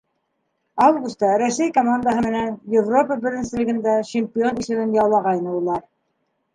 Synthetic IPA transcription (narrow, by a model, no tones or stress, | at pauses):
ɑvɡust̪ɑɾæsæjkomand̪əɦɤmɘ̆nænjɪvro̞pəbɘ̆ɾɘ̆nsɘ̆lɘ̆ɡɘ̆nd̪æɕɪmʲpʲionisɘ̆nɘnjɑwlˠɑʁɑjnɤulˠɑɾ